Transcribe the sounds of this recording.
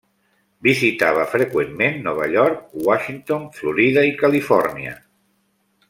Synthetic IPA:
bizit̪aβ̞əfɾekwemmẽnːɔβ̞aʎɔɾk̚waʃint̪onfluɾiðaikalifɔɾniə̰

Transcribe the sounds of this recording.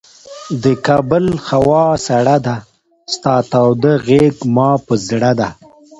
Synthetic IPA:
d̪əkɑbəlxawɑsaɽad̪a | st̪ɑt̪awd̪əɣeɡmɑpəzɽad̪a

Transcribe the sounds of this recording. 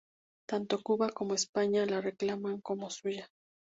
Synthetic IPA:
t̪ant̪okuβakomoespaɲalareklamaŋkomosuja

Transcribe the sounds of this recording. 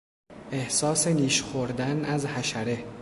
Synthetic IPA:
ʔe̞hsɒːseniːʃxoɾd̪ænæzhæʃæɾe

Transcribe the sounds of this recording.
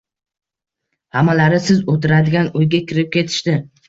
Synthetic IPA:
hamalaɾɪsɪzot̪ɪɾad̪ɪɡʲanojɡʲakʲʰɪɾɪp̚kʲʰe̞t̪ʰɪ̥ʃt̪ɪ

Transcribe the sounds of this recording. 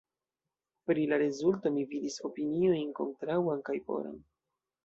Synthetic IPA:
pɾilaɾezulto̞mividiso̞pinio̞jnko̞̰ntɾawankajpo̞̰ɾa̰n

